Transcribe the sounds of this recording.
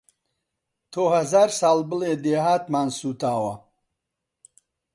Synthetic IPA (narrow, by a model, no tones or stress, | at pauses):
t̪ʰoːhɐzaːɾsaːlbɨleːd̪eːɦaːt̪maːnsuːt̪ʰaːwɐ